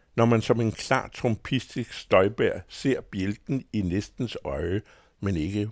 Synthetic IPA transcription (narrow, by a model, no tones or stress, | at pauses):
nɒmænsɒ̽me̝nkʰlɑ̰̈ːt͡sʰʁɔmpʰisd̥isɡ̥sd̥ɒ̽ɪb̥æɐ̰se̝ɐ̰b̥jeld̥n̩inesd̥n̩sɒɪə | mene̝ɡ̥ə